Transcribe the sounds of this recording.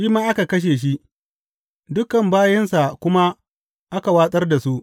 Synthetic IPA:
ʃiː˦maː˦ʔa˦ka˨kɐ˦ʃ̬eː˨ʃ̬i˦ʔ | dʊ˦kːɐ˨mbaː˦jɐ˦nsa˨kʷʊ˦ma˦ | ʔa˦ka˨waː˦sʼɐ˦rda˨su˦ʔ

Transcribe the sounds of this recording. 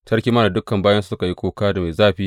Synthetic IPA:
tɐ˦ɽkʲiː˦mɐ˦naː˨dʊ˦kɐ˨mbaː˦jɐ˦nsu˨sʊ˦ka˨ji˦kʷoː˦kaː˦da˨ma˨jzaː˦ɸiː˦

